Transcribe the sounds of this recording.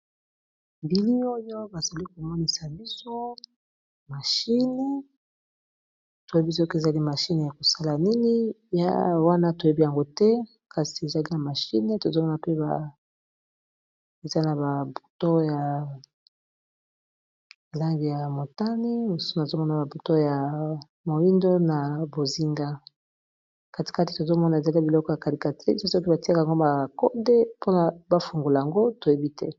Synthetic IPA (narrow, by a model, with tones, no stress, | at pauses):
bi˨li˦o˦jo˦ba˨z̥a˨li˦ko˨m˨ŋo˦ni˨sa˨bi˦so˦ | ma˨ʃi˦ne˦ | to˨je˦bi˦s̬o˦ke˨za˨li˦ma˨ʃi˦n˨ja˨ko˨sa˦la˨ni˦ni˦ja̰˦wa˦na˦to˨je˦bi˦ja˨ŋɡo˦tɛ˦ | ka˨si˨e˨za˨li˦na˨ma˨ʃḭ˦ne˦to˨zo˦mɔ˦na˨pe˦ba˨ | e˨za˦na˨ba˨bu˨to˦ja˨ | la˦ŋɡi˨ja˨mo˨ta˦ni˦o˨su̥˦so˦na˨zo˦mɔ˦na˨ba˨bu˨to˦ja˨ | mo˨i˦ndo˦na˨bo˨zi˦ŋɡa˦ | ka˨ti̥˨ka˦ti̥˨to˨zo˦mɔ˦na˨e˨za˨li˦˨bi˨lɔ˦kɔ˦ja˨ka˨li˨ka˨ti˦so˦so˦ki˦ba˨ti˦a˦ka˨a˨ŋɡo˦ma˨ko˦de˦po˦na˨ba˦fu˨ŋɡo˨la˨ja˨ŋɡo˦to˨je˦bi˦tɛ˦